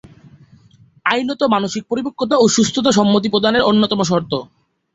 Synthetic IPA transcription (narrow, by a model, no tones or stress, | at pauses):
ajnot̪omanoʃik̚poɾibokʰːot̪̬aoʃust̪ʰot̪aʃɔmːot̪̬ipɾod̪ʱaneɾonːot̪ɔmoʃ̬ɔɾt̪o